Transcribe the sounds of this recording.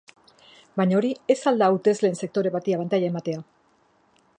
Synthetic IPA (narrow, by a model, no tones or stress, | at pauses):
bajɲaoɾie̞sald̪aut̪e̞zle̞ːnse̞k̚t̪o̞ɾe̞βat̪iaβant̪aʎae̞mat̪e̞a